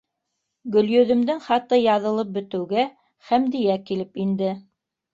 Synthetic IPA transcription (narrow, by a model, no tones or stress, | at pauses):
ɡɵ̆ljɵ̆ðɵ̆md̪ɘŋχɑt̪ɤjɑðɤ̆lˠɤp̚bɵ̆t̪ɘ̆wɡæ | χæmd̪ijækilɘpind̪ɘ